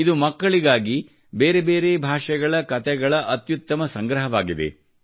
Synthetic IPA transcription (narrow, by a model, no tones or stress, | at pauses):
id̪umɐkːɐɭiɡaːɡi | beːɾebeːɾe̞ːbʱaːʂɛɡɐɭɐkɐt̪ɛɡɐɭɐʔɐt̪jut̪ːɐmɐsɐŋɡɾɐɦɐʋaːɡid̪e̞̰